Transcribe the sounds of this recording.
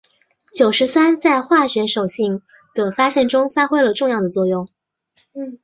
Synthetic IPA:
t͡ɕjo˨˩ʊʂɻ̩˧˥swa˥nt͡sa˥˧ɪxwa˥˩ɕɥɛ˧˥nʂo˨˩ʊɕi˥˩ŋ | d̪̥ə˩fa˥ɕjɛ˥˩nʈ͡ʂʊ˥ŋfa˥xwe˥ɪlə˨ʈ͡ʂʊ˥˧ŋjɑ˥˩d̪ə˩t͡swɔ˥˧jʊ˥˩ŋ | n̩˥˩

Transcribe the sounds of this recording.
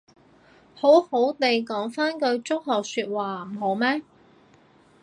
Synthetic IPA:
ho˨˥who˨˥wt̪e˨jkɔː˨˥ŋfaː˥nkɵ˧ɥt͡sʊ˥k̚hɐ˨˩syː˧t̚waː˨m̩˩ɦo˨˥wmɛː˥

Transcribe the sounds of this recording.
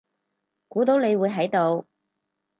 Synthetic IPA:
kuː˨˥t̪o˨˥wne˨˧jwuː˨˧jɦɐ˨˥jt̪o˨˧w

